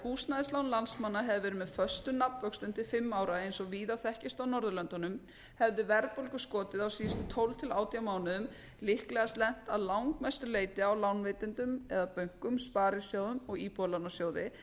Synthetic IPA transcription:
huːsnaðɪslawnlansmanːaɦɛvɪvɛːɾʏmɛðfœ̥st̪ʏnapnvœkst̪ʏnt̪ɪfɪmːawɾaejnsɔɣviːðaθɛhcɪst̪awnɔɾðʏlœnt̪anʏm | hɛvðɪvɛɾpowlkʏskɔːt̪ɪðawsiːðʏst̪ʏt̪ʰowlt̪ʰɪlaːwt̪ijamaːwnɪðʏm | lɪhklɛɣast̪lɛn̥t̪aðlawŋkmɛst̪ʏleːjt̪ɪawlawnveːt̪ɪnt̪ʏmɛðapœɥŋ̥kʏmspaːɾɪsjoːwðʏmɔɣiːpɔlawnasjoːwðɪ̰

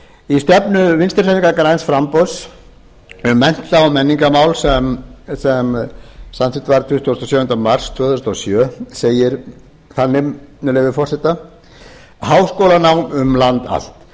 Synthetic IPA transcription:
ist̪ɛpnʏvɪnst̪ɾseniŋkakɾajnsfɾampɔs | ʏmːɛn̥t̪laɔmɛnːiŋkamawlsɛmsɛmsant̪ʰɪt̪vaɾt̪ʰvɪst̪ʰost̪ɔsjœːvʏnt̪amar̥st̪ʰvœːθst̪ɔsjœːseːjɪɾ | θanːɪmnɛlɛvɪfɔr̥sɛt̪a | haːwskowlanawnʏmlant̪a̰l̥t̪

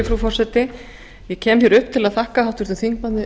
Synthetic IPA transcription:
ɪfɾufɔr̥sɛt̪ɪ | jɛcʰɛːmθjɛɾʏhpt̪ʰɪlaðθʰahkahaw̥t̪ʏɾt̪ʏθiŋkmanːɪ

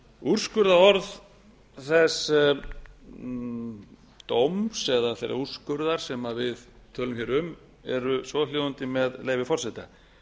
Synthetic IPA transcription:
ur̥skʏɾðaɔɾð | θɛs | t̪owmsɛðaθḛjɾa̰ur̥skʏɾðaɾ̥sɛmavɪð | t̪ʰœːlʏmçɛɾʏm | ɛɾʏsvɔljoːðʏnt̪ɪmɛðleːjvɪfɔr̥sɛt̪a

